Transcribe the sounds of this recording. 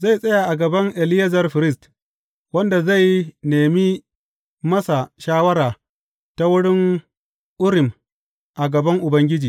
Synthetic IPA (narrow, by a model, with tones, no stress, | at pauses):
za˦˨jsʼɐ˦ja˨ʔa˨ɡɐ˨bɐ˦ŋʔɛ˨lɪ˦jɐ˦zɐ˨rɸɪ˨ɾɪ˦st | wɐ˦nda˨za˦˨jneː˨mi˦ | mɐ˦sa˨ʃaː˦wɐ˦ɾaː˨ | ta˦wʊ˦ɽɪ˦ŋ | ʔʊ˦ɾɪ˨m | ʔa˨ɡɐ˨bɐ˦ŋʔʊ˨bɐ˦ŋɡʲɪ˦d͡ʒiː˨